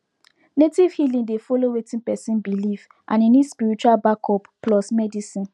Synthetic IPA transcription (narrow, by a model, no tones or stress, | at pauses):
netiv̥hilĩdefɔlowetĩnpɛsĩnbilif | ʔã̰ninispiɹit͡ʃualbakʰɔpplɔsmɛdisĩn